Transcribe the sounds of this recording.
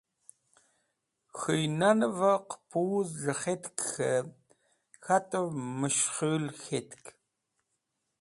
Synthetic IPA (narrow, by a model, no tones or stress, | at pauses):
xɨjnanɨvɐqə̥pʰɨwzɮɐχetkxɐ | xatʼɐvmɨʃχɨːlxeːtkʰ